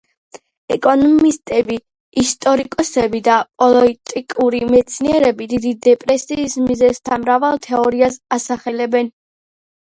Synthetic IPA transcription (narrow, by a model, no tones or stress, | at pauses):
ɛkʼɔnmist̪ʼɛbi | ist̪ʼɔɾikʼɔsɛbid̪apʼɔlˠɔit̪ʼikʼuɾimɛt̪sʰniɛɾɛbid̪id̪id̪ɛpʼɾɛsiːsmizɛst̪ʰamɾavalˠt̪ʰɛɔɾiasasaχɛlɛbɛn